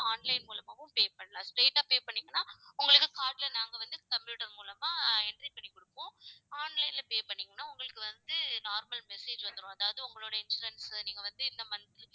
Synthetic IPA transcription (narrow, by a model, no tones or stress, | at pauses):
aːnlɐɪnmuːlɐmaːʋɯ̃mpeːpɐɳːɐlãːsʈeːʈːaːpeːpɐɳːiːŋɡɐnːaːʊŋɡɐɭɯkːɯkaːɾɖlɐnaːŋɡɐʋɐnd̪ɯkɐmpjuːʈɐɾmuːlɐmaːɛɳɖɾipɐɳːikɔɽɯpːõːaːnlɐɪnlɐpeːpɐɳːiːŋɡɐnːaːʊŋɡɐɭɯkːɯʋɐnd̪ɯnaːɾmɐlmɛseːd͡ʒʋɐnd̪ɯɾʊ̃ɐðaːʋɐðɯʊŋɡɐɭoːɽɐɪnsʊɾɛnsniːŋɡɐʋɐnd̪ɯɪnd̪ɐmɐnɐt̪ːɪl